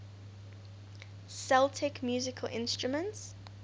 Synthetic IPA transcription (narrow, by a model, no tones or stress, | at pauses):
sɛlˠtʰɛkmjuːzɪkʰəlʔɪ̰̃nstɹumə̃nts